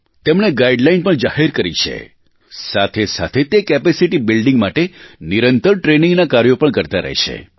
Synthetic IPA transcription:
t̪emɳeɡaiɖlajnpəɳd͡ʒaheɾkəɾit͡ʃʰḛ | sat̪ʰesa̰t̪ʰet̪ekɛpesiʈibɪlɖɪ̃ŋɡmaʈeniɾənt̪əɾʈɾenĩŋɡnakaɾjopəɳkəɾt̪aɾə̰ɦʃʰḛ

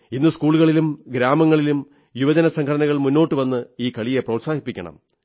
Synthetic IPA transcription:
inːɨskuːɭuɣɐɭilumɡɾaːmɐŋːɐɭilum | juʋɐd͡ʑɐnɐsɐŋkʰɐɽɐnɐɣɐɭmunːo̞ːʈːɨʋɐnːɨiːkɐɭije̞prɐwtsaːɡipːikʲːɐ̰ɳɐ̰m

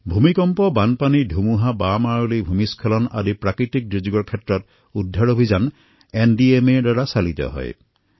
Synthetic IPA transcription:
bʱumikɔmpɔbanpanidʱumuɦabamaɹulibʱumiskʰɔlɔna̰dipɹakɹit̪ik̚dɹid͡ʒiɡɔɹkʰetɹɔt̪ | ud̪ʱːaɹobʱizan | endiemedwaɹasalit̪ɔ̰ɦɔ̰j

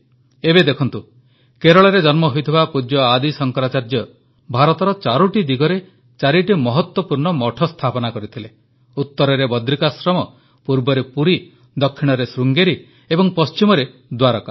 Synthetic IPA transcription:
ebed̪ekʰɔnt̪u | keɾɔɭɔɾed͡ʒɔnmɔɦojt̪ʰibapud͡ʒjɔad̪isɔŋkɔɾat͡ʃaɾd͡ʒɔ | bʱaɾɔt̪ɔɾɔt͡ʃaɾuʈid̪iɡɔɾe | t͡ʃaɾiʈimɔɦɔt̪wɔpuɾɳɔmɔʈʰɔst̪ʰapɔnakɔɾit̪ʰile | ut̪ːɔɾɔɾebɔd̪ɾikasɾɔmɔ | puɾbɔɾepuɾi | d̪ɔkʰːiɽ̃ɔɾesɾuŋɡeɾi | ebɔŋpɔst͡ʃimɔɾed̪waɾɔka

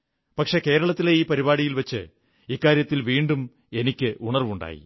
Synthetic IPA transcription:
pɐkʂe̞ke̞ːɾɐɭɐt̪ːileiːpɐɾibaːɽijilʋɐt͡ɕːɨ | ikːaːɾjɐt̪ːilʋiːɳɖum | e̞nikʲːɨʔuɳɐrʋuɳɖa̰ːjḭ

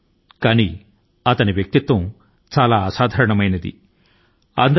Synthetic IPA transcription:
kaːni | ɐt̪ɐniʋjɐk̚t̪it̪ʋɐm | t͡ʃaːlaːsaːd̪ʱɐːɾɐɳɐmɐjnɐd̪ḭ | ɐ̰nd̪ɐ

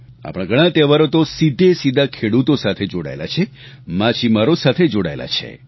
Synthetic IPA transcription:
a̰pɽ̃ãɡʱəɽ̃ãt̪eʋaɾot̪osid̪ʱesid̪ʱakʰeɽut̪osat̪ʰed͡ʒoɽa̰ḛla̰t͡ʃʰe | mãt͡ʃʰimaɾosat̪ʰed͡ʒoɽa̰ela̰t͡ʃʰḛ

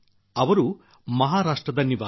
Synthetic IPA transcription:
ɐʋɐɾu | mɐɦaːɾaːʂʈɾɐd̪ɐniʋaː

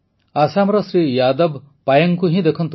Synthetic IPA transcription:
asamɾɔsɾijad̪ɔb | pajɔŋkuɦĩd̪ekʰɔnt̪

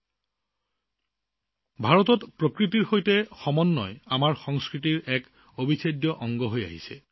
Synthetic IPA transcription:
bʱaɹɔtɔtpɹokɹitiɹxojtɛxɔmɔnːɔjamaɹxɔŋskɹitiɹɛk | obʱisʰadjɔʔɔŋɡɔɦoja̰ɦḭsɛ̰

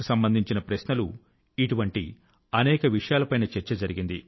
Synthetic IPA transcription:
usɐmbɐnd̪ʱiɲt͡ʃinɐpɾɐsnɐlu | iʈuʋɐɳʈḭ | ɐnɛːkɐʋiʂɐjaːlɐpɐjnɐt͡ʃɛɾt͡ʃɐd͡ʒɐɾiɡind̪i

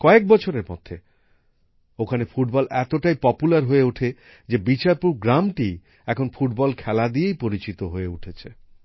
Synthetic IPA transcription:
kɔek̚bɔt͡ɕʰoɾeɾmɔ̰d̪ʱːe | okʰanefuʈ̚bɔlʔɛt̪oʈajpɔpulaɾɦoeuʈʰe | d͡ʑebit͡ɕaɾpuɾɡɾamʈi | ɛkʰonfuʈ̚bɔlkʰɛlad̪iejpoɾit͡ɕit̪oɦoeuʈʰet͡ɕʰe

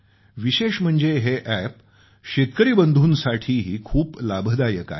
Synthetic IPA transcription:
ʋiɕeɕm̤əɳd͡zeɦeʔæp | ɕet̪kəɾiːbənd̪ʱuːnsaʈʰiːɦiːkʰuːplabʱəd̪ajəka̰e

